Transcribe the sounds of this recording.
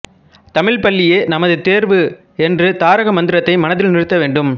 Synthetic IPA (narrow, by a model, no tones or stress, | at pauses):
t̪ɐmɪɭpɐɭːɪjeːnɐmɐðɯt̪eːɾʋɯ | ɛndrɯt̪aːɾɐɣɐmɐnd̪ɪɾɐt̪ːɐɪmɐnɐðɪlnɪrɯt̪ːɐʋeːɳɖɯm